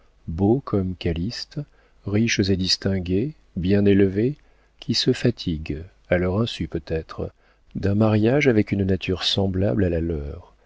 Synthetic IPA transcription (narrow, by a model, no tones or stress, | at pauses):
bokʰɔmkalist̪ | ʁiʃzed̪ist̪ɛ̃ɡʲe | bjɛ̃nelve | kʲʰisəfat̪ʰiɡ | alœʁɛ̃sypøt̪ɛt̪χ | d̪ɛ̃maʁjaʒavɛkynnat̪ʰyʁsɑ̃bla̰blalalœːʁ